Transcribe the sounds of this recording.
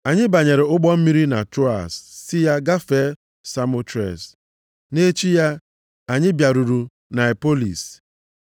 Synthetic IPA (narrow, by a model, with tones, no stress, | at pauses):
a˨ɲɪ˦ba˨ɲe˨ɾɪ˨ʊ˦ɡ͡bɔ˦m̩˦mi˦ɾi˦na˨to˦a̰˨sːɪ˦ja˦ɡa˦fe˦ | sa˦mo˦tɾḛ˨s | ne˦t͡ʃi˦ja˦ | a˨ɲɪ˦bja˨ɾu˨ɾu˨ | na˨e˨po˦lḭ˨s